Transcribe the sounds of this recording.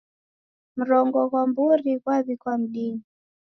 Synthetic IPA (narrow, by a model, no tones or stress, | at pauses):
m̩ɾɔŋɡɔɣwambuɾikwaβikwam̩ɗini